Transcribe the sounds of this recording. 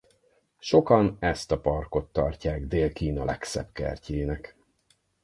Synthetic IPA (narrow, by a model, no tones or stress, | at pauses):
ʃo̞kɒnɛst̪ɒpɒrko̞t̪ːɒrcaːɡd̪eːlkiːnɒlɛksɛ̰b̥kɛ̰rceːnɛk